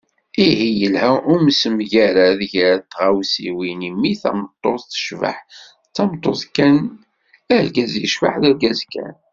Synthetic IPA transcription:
iɦijəlhæʔumsəmʝæɾaðəʝəɾt̪ːʁawsiwinimːiθæ̰mt̪ˤːoθθə̥ʃva̰ħ | t͡sːɑmt̪ˤːoθkːæn | ælɡæzjəʃfa̰ħðælɡæzkːæ̰n

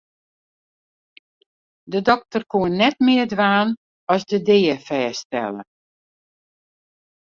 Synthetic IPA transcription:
dədɔk̚tərkuənːɛtmɪːərdʋaːn | ɔsdədeːəfɛːstɛ̰lə̰

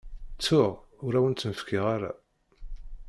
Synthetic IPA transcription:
t͡sːʊʁ | ʊɾæwənt͡s̪ːənfkʰiʁaɾa̰

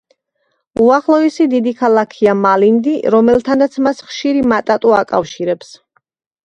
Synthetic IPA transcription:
uaχlˠɔɛsid̪id̪ikʰalˠakʰiamalind̪iɾɔmɛlˠt̪ʰanat̪sʰmasχʃiɾimat̪ʼat̪ʼuakʼa̰fʃiɾɛps

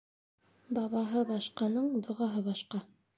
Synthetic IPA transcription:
bɑβɑɦɤbɑʃqɑnɤɴd̪ŏʁɑɦɤβɑʃqɑ

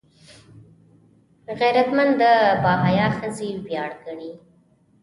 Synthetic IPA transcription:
ɣajɾat̪mand̪əbɑɦɑjɑxəzewjɑɽɡaɳi

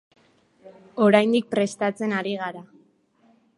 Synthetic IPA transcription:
o̞ɾajnd̪ik̚pɾe̞st̪at͡se̞naɾiɣaɾa

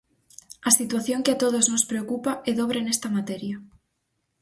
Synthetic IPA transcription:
ɐsit̪waθjoŋkɪat̪oð̞oznospɾeokupaʔɛðoβɾenest̪ɐmat̪eɾjɐ

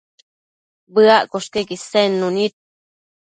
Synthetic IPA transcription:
bəaʔkoʂkekisenːunit̪̚

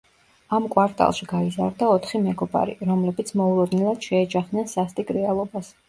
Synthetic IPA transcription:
amkʼwaɾt̪ʼa̰lˠʃiɡ̥aizaɾd̪aɔt̪ʰχimɛɡɔba̰ɾḭɾɔmlɛbit̪sʰmɔuɾɔd̪nilˠad̪̥ʃɛːd͡ʒaχd̪nɛnsast̪ʼikʼɾɛalˠɔbas

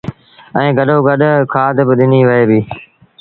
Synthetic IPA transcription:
ɛ̃ːɡəɗoːɡəɗkʰaːt̪bɪɗɪniːʋəɦeːbiː

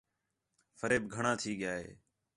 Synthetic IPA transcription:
fʰəɾeːbɡʱəɳãːt̪ʰiːɠjaːɦḛː

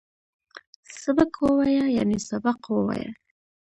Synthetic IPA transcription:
sabakwəwajaja̰nesabaqwəwa̰ja̰

